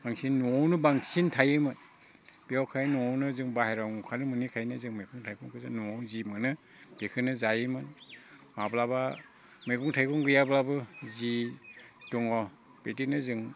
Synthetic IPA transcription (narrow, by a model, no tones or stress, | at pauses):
b̥aŋsinːɔwnɯbaŋsintʰajɯmɯn | b̥iawkʰajnuɔwnɯzɯŋbahejɾawŋukʰanɯmɯnikʰajnɯzɯŋmajkʰuŋtʰajkʰuŋkɯzɯnːuɔwzimɯnɯ | b̥ekʰɯnɯzajɯmɯnmablaba | mɯjkʰuŋtʰajkʰɔŋɡɯjablabɯzi | d̥ɔŋɔ | b̥etinɯzɯŋ